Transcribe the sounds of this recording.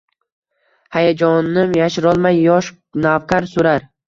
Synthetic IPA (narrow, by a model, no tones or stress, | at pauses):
hajad͡ʒɒnːɪmjaʃɪɾɒlˠmajːɒʃ | navqʰaɾsʊɾaɾ